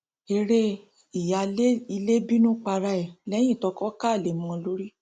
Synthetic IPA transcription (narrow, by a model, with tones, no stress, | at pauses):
e˧ɾe˦ | i˨ja˨˧le˦i˧le˦bi˦nũ˦k͡pa˧ɾa˧ɛ˨lɛ˨˦j̃ĩ˦˨tɔ˧˦kɔ˦ka˦˨le˨mɔ̃˧lo˦ɾi˦